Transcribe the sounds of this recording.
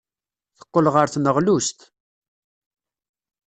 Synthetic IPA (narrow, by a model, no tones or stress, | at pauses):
θə̥qːəlʁəɾθnəʁlust̪